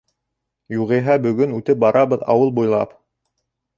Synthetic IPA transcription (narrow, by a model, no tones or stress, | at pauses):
juʁĭɦæbɵ̆ɡɵnʉt̪ɘp̚bɑɾɑβɤðɑ̰wɤlˠbujlˠɑ̰p